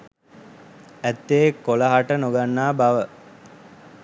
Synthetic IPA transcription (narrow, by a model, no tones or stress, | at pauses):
æt̪ːejekːoləɦaʈənoɡanːaːbaʋə